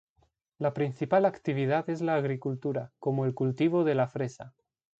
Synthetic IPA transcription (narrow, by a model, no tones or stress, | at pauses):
lapɾinθipalakt̪iβ̞ið̞at̪ezlaːɣ̞ɾikult̪uɾakomoelkult̪iβ̞oð̞e̞lafɾesa